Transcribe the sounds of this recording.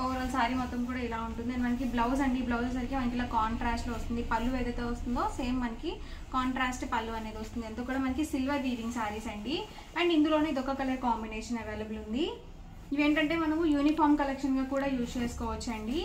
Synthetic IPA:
oʋɐɾɐlsaːɾimɔt̪ːɐmkuːɽaːilaːuɳʈund̪iɐnimɐnɐkiblɐws̬ɐɳɖiblɐwsɐs̬ɐɾikeːmɐnɐkilaːkaːɳʈɾaːsʈluːʋɐst̪und̪ipɐlːuʋeːd̪ɐt̪eːʋɐst̪und̪o̞ːse̞ːmːɐnɐki | kaːɳʈɾaːsʈpɐlːuɐne̞ːd̪iʋɐst̪und̪ɐnt̪oːkuːɽaːmɐnɐkisilʋɐɾiːʋiŋɡsaːɾisɐɳɖi | ɐɳɖind̪uloːneid̪ɔkːɐkɐlɐɾkaːmbineːʂɐnɐʋeːlɐbɐlund̪i | iʋeːɳʈɐɳʈe̞ːmɐnɐmujuːnipʰaːɾmkɐlekʂɐnɡaːkuːɽaːjuːst͡ʃeːsu̥kɔːʋɐt͡ʃːɐɳɖi

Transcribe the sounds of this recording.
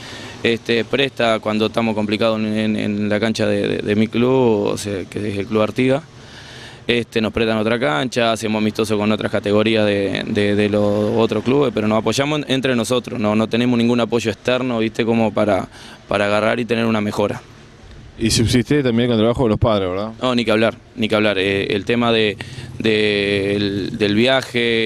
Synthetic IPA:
eht̪epɾeht̪akwand̪oet̪amo̞hko̞mplikað̞oenḛnlakant͡ʃaðeðḛðemikluβo̰sekeeselkluβaɾt̪iɣa | eht̪e̞no̞hpɾet̪ano̞t̪ɾakant͡ʃaːsemosamiht̪o̞soko̞no̞t̪ɾahkat̪e̞ɣo̞ɾiaðed̪eðeloot̪ɾokluβehpe̞ɾo̞nosapo̞ʒamosent̪ɾe̞no̞so̞t̪ɾosno̞no̞t̪e̞ne̞monĩŋɡunapo̞ʒo̞ekst̪ɛɾnoβiht̪e̞ko̞mo̞paɾa̰ | paɾaːɣara̰ɾit̪e̞ne̞ɾuname̞xo̞ɾa̰ | isusist̪et̪ambjeŋkonelt̪ɾaβaxoðelospaðɾezβeɾðanonikeaβlaɾ | nikeaβlaɾeḛlt̪emaðed̪eld̪elβjaxe

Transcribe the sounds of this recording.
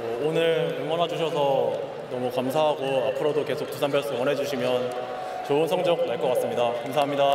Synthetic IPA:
ʌonɯɭoŋwʌnɦad͡ʑuɕ̬ʰʌsʰʌ | nʌmukamsʰaɦaɡoapʰɯɾodoke̞sʰok̚t͈usʰambjʌɭs͈wʌnɦe̞d͡ʑuɕʰimjʌn | t͡ɕoɯnsʰʌŋd͡ʑʌk̚naɭk͈ʌk͈as͈ɯmɲidakamsʰaɦamɲida

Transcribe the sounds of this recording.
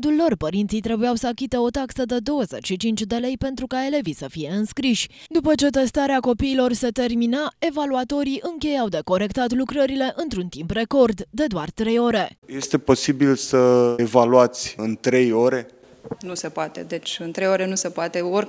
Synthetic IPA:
d̪ulːo̞rpəɾint̪sijt̪ɾe̞bujawsəakʲit̪e̞o̞t̪aksəd̪e̞d̪o̞wəze̞t͡ʃʃit͡ʃint͡ʃʲd̪e̞le̞jpe̞nt̪ɾukae̞le̞visəfije̞ɨnskɾiʃʲ | d̪upət͡ʃe̞t̪e̞st̪aɾeako̞piːlo̞rse̞t̪e̞rminae̞valuat̪o̞ɾiʔɨŋkʲe̞jawd̪e̞ko̞ɾe̞kt̪at̪lukɾəɾile̞ʔɨnt̪ɾunt̪impre̞ko̞rd̪ːe̞d̪oart̪ɾe̞jo̞ɾe̞je̞st̪e̞po̞sibilsəevaluat̪sʲɨnt̪ɾe̞jo̞ɾe̞ | nuse̞poat̪e̞̰d̪e̞t͡ʃʲɨnt̪ɾejoɾe̞nuse̞poat̪e̞or

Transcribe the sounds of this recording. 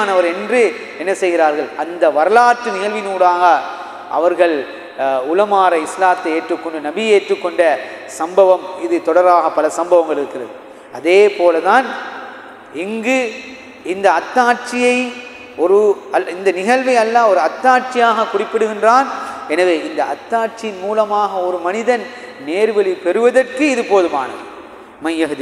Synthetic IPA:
nɐʋɐɾɛndrɯ | ɛnːɐsɛjɣɪɾaːɾɣɐɭɐnd̪ɐʋɐɾɐlaːʈːɯnɪɣɐɭʋɪnuːɽaːɣɐ | ʔɐ̰ʋɐɾɣɐɭ | ʊlɐmaːɾɐɪslaːt̪ːɐeːʈrɯkːɔɳɖɯnɐbɪeːʈrɯkːɔɳɖɐsɐmbɐʋɐmɪðɯt̪ɔɽɐɾaːɣɐpːɐlɐsɐmbɐʋɐŋɡɐɭɪɾɯkːɪrɐðɯ | ɐðeːpoːlɐðaːn | ɪŋɡɯ | ɪnd̪ɐɐt̪ːaːɾt͡ʃɪjɐɪ | ɔɾɯɐɪnd̪ɐnɪɣɐlʋɐɪɐlːaːɔɾɯɐt̪ːaːʈt͡ʃɪjaːɣɐkʊrɪpːɪɽɯɣɪndraːnɛnɐʋeːɪnd̪ɐɐt̪ːaːʈt͡ʃɪjɪnmuːlɐmaːɣɐɔɾɯmɐnɪðɐn | neːɾʋɐlipɛɾɯʋɐðɐrkɯɪðɯpoːðɯma̰ːnɐðɯ | mɐjːɐɣɐðɯ

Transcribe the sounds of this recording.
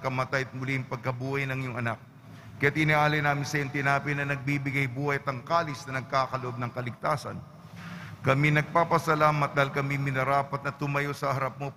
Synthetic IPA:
kɐmɐt̪ajɐt̪̚mʊliŋpɐɡ̚kɐbuːhɐjnɐŋjʊŋʔɐnak̚ | kɐjat̪̚ʔɪniʔaːlɐjnaːmɪnsɐjoŋt̪ɪnaːpɪnɐnɐɡ̚bibɪɡajbuːhɐjɐt̪ɐŋkaːlɪsnɐnɐɡ̚kaːkɐloʔo̞b̚nɐŋkɐlɪɡ̚t̪aːsɐ̰n | kɐminɐɡ̚paːpɐsɐlaːmɐt̪̚d̪aːhilkɐmimɪnɐɾaːpɐt̪̚nɐt̪ʊmɐjo̞sɐhɐɾɐp̚mo̞

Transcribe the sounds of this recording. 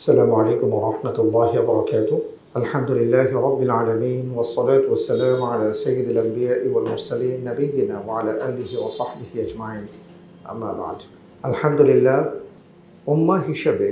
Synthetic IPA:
ʔasːalaːmʊʕalejkʊmwɑɾˤɑħmat̪ɑlˤːɑːhɪwɑbɑɾˤɑkaːt̪ʊ | ʔalħamd̪ʊlɪlːaːhɪɾˤɑbːɪlʕaːlamiːnwɑsˤːɑlaːt̪ʊwasːalaːmʕalaːsajːɪd̪alʔambɪjaːʔɪwalmʊɾˤsaliːnːabɪjːɪnaːwaʕalaːʔaːlɪhiwɑsˤɑħbɪhɪʔad͡ʒmaʕiːn | ʔa̰mːa̰ːba̰ʕd̪ | ʔalħamd̪ʊlɪlːaːh | ʔʊmːaɦɪʃabi

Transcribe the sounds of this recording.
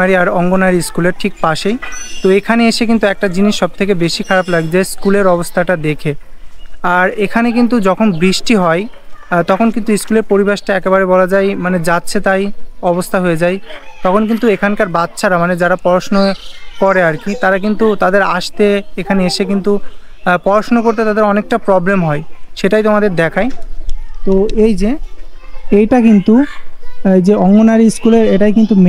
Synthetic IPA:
aɾiaɾɔŋɡonaɾiskuleɾʈʰik̚paʃet̪oekʰaneeʃek̬int̪uɛk̚ʈad͡ʑiniʃːɔb̚t̪ʰekebeʃikʰaɾablaɡd͡ʑaeskuleɾɔbost̪ʰaʈad̪ekʰe | aɾekʰanek̬int̪̬ud͡ʑɔkʰonbɾiʃʈiɦɔet̪ɔkʰonkint̪uiskuleɾpoɾibeʃʈaɛkebaɾebɔlad͡ʑajmaned͡ʑatːɕʰet̪ajɔbost̪ʰaɦoed͡ʑajt̪ɔkʰonk̬int̪uekʰankaɾbat̪ːɕʰaɾamaned͡ʑaɾapɔɾaʃnokɔɾeaɾkit̪aɾak̬int̪ut̪ad̪eɾaʃt̪eekʰaneeʃekint̪u | pɔɾaʃnokoɾt̪et̪ad̪eɾɔnek̚ʈapɾɔblemɦɔeʃeʈajt̪omad̪eɾd̪ɛkʰajt̪oejd͡ʑe | ejʈakint̪u | d͡ʑeɔŋɡonaɾiskuleɾeʈajkint̪um

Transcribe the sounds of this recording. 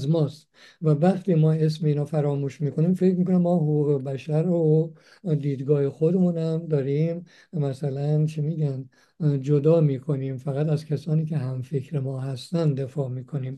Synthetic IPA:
zmɒːst̪ | vævæχt̪ʰiːmɒːe̞s̬meiːnɒːfæɾɒːmuːʃmiːkʰo̞niːmfe̞cmiːkonæmːɒːɦoɣuːɣebæʃæɾo | d̪iːd̪ɡɒːhexod̪e̞muːnhæmd̪ɒːɾim | mæsælænt͡ʃʰimiːɟæn | d͡ʒod̪ɒːmiːkʰo̞niːmfæɣæt̪æzkʰæsɒːniːkʰe̞ɦæmfekʰɾemɒːɦæst̪ænd̪e̞fɒːmiːkʰo̞niːm

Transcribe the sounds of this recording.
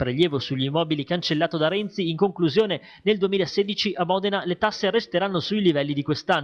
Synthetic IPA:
pɾeʎjɛːvosuʎːimɔːbilikant͡ʃelːaːt̪od̪aɾɛnt̪siːŋkoŋkluzjoːne | neld̪uemiːlaeseːd̪it͡ʃiʔamːɔd̪enalet̪asːerest̪eɾanːosuilivɛlːid̪ikwest̪anː

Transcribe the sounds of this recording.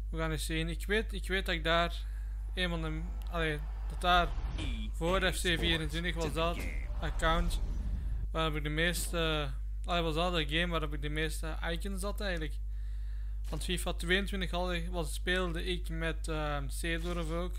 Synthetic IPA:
uɣaːnɪksiənɪkʋeːtɪkʋeːt̚dɑɪɡ̚daːr | eːnmalˠə | ɑleː | d̥ɑt̚daːr | voːrdɛfseːviːɾəntwɪntəxʋɑzdɑt | əkawnt | ʋaːɾɔpɪk̚dəmeːstə | ɑleːʋɑzdɑtəɡeːmʋaːɾɔpɪk̚dəmeːstəʔajkənsɑtɛjɣənlək | ʋɑntfifatʋeːəntwɪntəxhɑlˠɪʋɑspeːlˠdəʔɪkmɛt | ə | seːdɔɾɔvoːk

